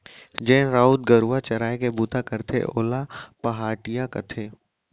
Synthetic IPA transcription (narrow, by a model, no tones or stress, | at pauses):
d͡ʒɛ̃ːnɾaːuːd̪ɡəɾuat͡ʃɐɾaːekebuːt̪akɐɾt̪ʰḛʔo̰ːlapɐɦaːʈijakɐt̪ʰeː